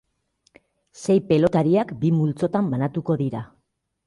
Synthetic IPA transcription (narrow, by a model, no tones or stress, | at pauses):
se̞jpe̞lo̞t̪aɾiakbimult͡so̞t̪ambanat̪uko̞ðiɾa